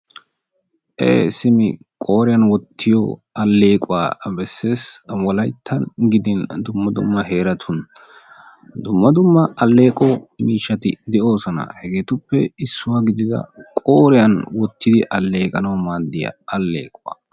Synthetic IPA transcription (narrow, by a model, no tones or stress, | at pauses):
ʔḛːsɪmɪ | kʼoːɾɪjɐnwɔt̪ʰːɪjɔ̰ɐlːe̞ːkʼʊwa̰ːbɛsːe̞ːswɔlɐjt̪ʰːɐnɡɪd̪ɪnd̪ʊmːɐd̪ʊ̰mːɐɦe̞ːɾɐt̪ʰʊn | d̪ʊmːɐd̪ʊmːɐɐlːe̞ːkʼɔmiːʃɐt̪ɪ̰d̪ɛo̞ːsɔnɐ̰hɛɡeːt̪ʊpːɛɪsːʊwaɡɪd̪ɪd̪ɐ̰kʼoːɾɪjɐnwɔt̪ːɪd̪ɪʔɐlːe̞ːkʼɐnɐwmaːd̪ːɪjɐ̰ɐlːḛːkʼʊwa̰ː